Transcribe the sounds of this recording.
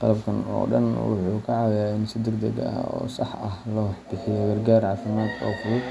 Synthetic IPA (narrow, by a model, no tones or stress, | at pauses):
qɑ̰lɐbkʰɐnɔ̰ːɖɐ̰nwʊ̰ħuːkʰɐʕɑwjaːɪnsɪd̪ɛɡd̪ɐɡɐ̰ɔ̰ːsɑħɐhlɔhħb̥ɪħɪjɔɡɐrɡaːrʕɑːfɪmaːd̪ɔ̰ːfʊlɔ